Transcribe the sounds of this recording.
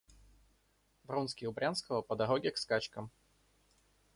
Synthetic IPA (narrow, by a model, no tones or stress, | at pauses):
vrunskʲɪʊbɾʲanskəvəpəd̪ɐɾoɡʲɪkskat͡ɕkəm